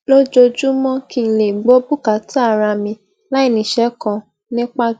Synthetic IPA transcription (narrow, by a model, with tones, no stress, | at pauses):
lo˦d͡ʒo˧d͡ʒu˦mɔ̃˦ki˧n̩˨le˨ɡ͡bo˨˦bu˦ka˨˦tʰa˦˨ɾa˧mĩ˧ | la˦i˦˨nĩ˨ʃɛ˨˦kɔ̃˧ | nĩ˦k͡pa˦